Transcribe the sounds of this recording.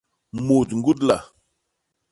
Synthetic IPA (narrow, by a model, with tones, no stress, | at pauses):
mo˨tŋɡu˦tla̰˨